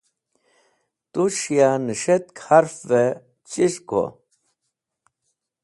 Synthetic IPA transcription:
t̪uʃijanəʂet̪̚kʰaɾfve | t͡ɕiɕko̰

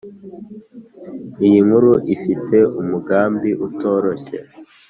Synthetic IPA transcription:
ijiŋhuɾuʔifitʰe̞umuɡaːmbiʔuto̞ːɾo̞çe̞̰

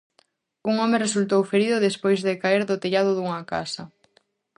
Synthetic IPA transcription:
uŋɔmɪresult̪owfeɾiðʊðespojzðɪkaeɾðʊt̪eʎaðʊðuŋɐka̰sɐ

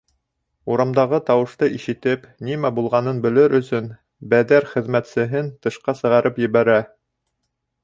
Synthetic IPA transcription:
uɾɑmd̪ɑʁɤt̪ɑwɤ̆ʃt̪ɤʔiʃɘ̆t̪ɘp | nimæbulˠʁɑnɤnbɘ̆lɘɾʔɵ̆sɵn | bæðæɾχɘ̆ðmæt̪sɘ̆ɦɘnt̪ɤ̆ʃqɑsɤ̆ʁɑɾɤpjɘ̆βæɾæ

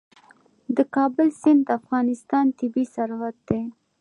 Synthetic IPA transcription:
d̪əkɑbəlsɪnd̪d̪əafɣɑnɪst̪ɑnt̪ɪbisaɾwat̪̚d̪e

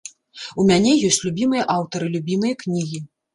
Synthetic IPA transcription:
umʲanʲɛjɔsʲt͡sʲlʲubʲimɨjɐʔawt̪ɐɾɨlʲubʲimɨjɐknʲiɣʲi

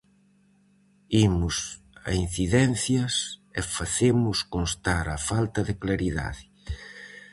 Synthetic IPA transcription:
imʊs | ɐ̰in̟θiðɛn̟θjɐsefaθemʊskonst̪aɾɐfalt̪ɐðɪklaɾiða̰ðɪ

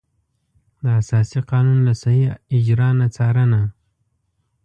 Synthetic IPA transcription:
d̪əasɑsiqɑnunlasahiɪd͡ʒɾɑnat͡sɑɾəna

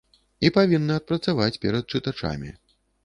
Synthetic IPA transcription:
ipavʲinːɨɐt̪̚pɾɐt̪savat͡sʲpʲɛɾɐt̪̚t͡ʂɨt̪at͡ʂa̰mʲḭ

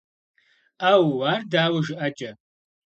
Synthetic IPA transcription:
aːwwaːrdaːwɐʒɪʔɐd͡ʒʼɐ

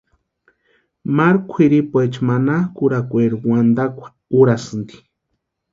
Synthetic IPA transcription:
maɾkʷʰiɾipwet͡ʃmanakuɾakʷeɾuwand̪akʷʰḁ | uɾasɨnd̪i̥

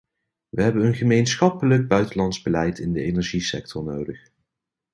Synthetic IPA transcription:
ʋəɦɛbənənχəmejnsχɑpələɡ̚bœɥtənlɑndzbəlɛjtɪndəejnɛɹʒisɛ̰k̚tʰɔɹnowdəχ

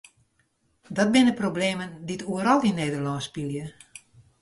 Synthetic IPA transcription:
dɔt̚bɪnəprobleːmənditʰuəɾɔlˠineːdərlɔnspilˠjə

